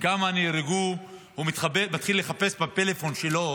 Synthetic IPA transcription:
kamaːniɾeɡu | vumit̪χabemat̪χilːe̞χape̞sbapelefo̞nʃelo

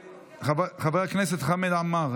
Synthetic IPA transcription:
χabχabɛʁaknɛsɛtχamɛd̪amaʁ

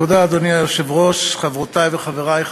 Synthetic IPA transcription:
od̪aːd̪oniajoʃevʁoʃχavʁot̪ajveχaveʁajχ

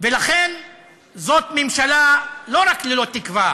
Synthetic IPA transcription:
velaχe̞n | zo̞t̪memʃalalo̞ɾaklelo̞t̪ikva

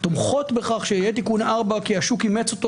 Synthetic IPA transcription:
t̪omχo̞t̪beχaχʃeijet̪ikunaʁbakiaʃukimet͡sot̪

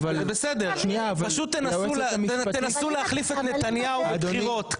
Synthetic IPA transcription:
valebesed̪eʁʃniaːvapɐʃut̪ːenaemiet̪enasuleaχlifet̪net̪anjauad̪oniʁot̪

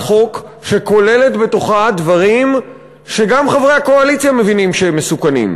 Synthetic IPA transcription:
χo̞k | ʃe̞ko̞le̞le̞tbe̞to̞χadvaʁim | ʃe̞ɡamχavʁejhako̞alit͡sjame̞vinimʃeemːesukanḭm

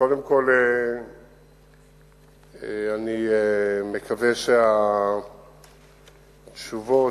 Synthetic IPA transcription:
kod̪emko̞le | eaniemekʰaveʃea | tʃuvo

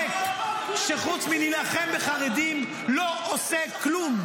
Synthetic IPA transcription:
kʃeχut̪t͡sminilaχembeχaʁed̪im | lo̞ʔoseklum

